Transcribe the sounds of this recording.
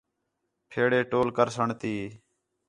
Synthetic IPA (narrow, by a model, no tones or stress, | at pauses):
pʰeːɽeːʈoːlkəɾsəɳt̪iː